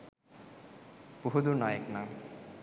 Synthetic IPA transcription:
puɦud̪unajeknam

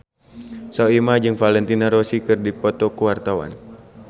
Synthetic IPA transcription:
saimad͡ʒɨŋfalɛnt̪inaɾɔsikɨrdipɔt̪ɔkuwart̪awa̰n

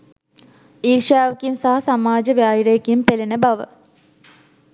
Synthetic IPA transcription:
iːɾʂjaːʋɐkinsaɦɐsamaːd͡ʒɐʋjaːɦiɾejekːijmpelinəbɐʋə̰

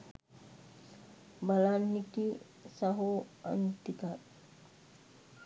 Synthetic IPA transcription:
balanːiki | saɦoa̰nt̪ikat̪̚

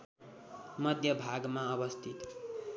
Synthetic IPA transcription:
mʌd̪ʱjʌbʱaɡmaʌbʌst̪ʰit̪

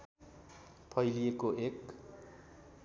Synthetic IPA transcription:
pʰʌjlijekoek

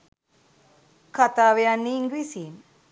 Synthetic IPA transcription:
kʰat̪aʋejanːiːŋɡɾisin

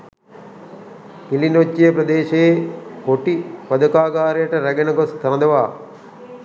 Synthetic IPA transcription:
kilinot͡ʃːijɐpɾɐd̪eːʃeːkoʈːipɐd̪ɐkaːɡaːɾeːʈɐɾɐɡɐnɐɡosk̪ɐɾɐnd̪ɐʋaː

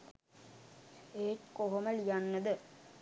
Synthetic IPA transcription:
eːʈkoɦoməlijanːəd̪ə

